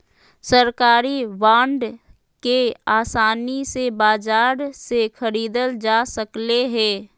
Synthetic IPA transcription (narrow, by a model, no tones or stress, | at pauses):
səɾkaːɾiʋãːɳɖ | keaːsaːnisebaːd͡ʒaːɾsexʰəɾiːd̪əld͡ʒaːsəkleɦɛː